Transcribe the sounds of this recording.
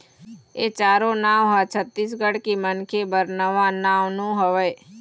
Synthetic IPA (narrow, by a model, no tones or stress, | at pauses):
eːt͡ʃaːɾonãːwɦat͡ʃʰət̪ːiːs̬ɡəɽkimənkʰebəɾnəʋãnaːʋnũɦəʋə